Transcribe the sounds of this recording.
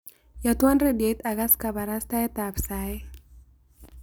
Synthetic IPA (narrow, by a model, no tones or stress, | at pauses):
jat̪wanredjet̪aɡaskabaɾast̪aɛt̪apsaɛ